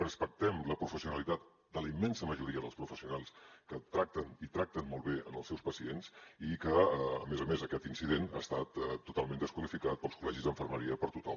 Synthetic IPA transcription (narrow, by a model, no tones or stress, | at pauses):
rəspək̚t̪ɛmləpɾufəsiunəlit̪at̪ | d̪ələimːɛnsəməʒuɾiəðəlˠspɾufəsiunalˠskət̪ɾak̚t̪ənit̪ɾak̚t̪ənmɔlˠβeə̰nəlˠsɛwspəsiensikəəmezəmezəkɛt̪insiðena̰st̪at̪t̪ːut̪alˠmend̪əskwəðifikat̪̚pəlˠskulɛʒizðəɱfəɾməɾiəpəɾt̪ut̪ɔm